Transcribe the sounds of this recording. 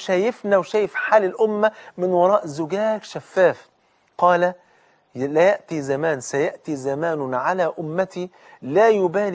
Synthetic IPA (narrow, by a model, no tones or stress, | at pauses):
ʃæjɪfnæwʃæːjɪfħaːlɪlʔʊmːæmɪnwɑɾˤɑːʔzʊɡæːkʃæfːæːf | qɑːlæ | læjaʔt̪izæmaːnsæjaʔt̪izæmaːnʊʕalæːʔʊmːæt̪iː | laːjʊbaːl